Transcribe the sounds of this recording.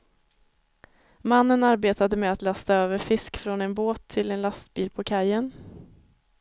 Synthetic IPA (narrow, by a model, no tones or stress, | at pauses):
manːənaɾbeːt̪ad̪əmɛat̪last̪aøːvəɾfɪskfɾɔnɛnboːt̪ʰːɪlɛnlast̪̚biːlpʰɔkʰajːən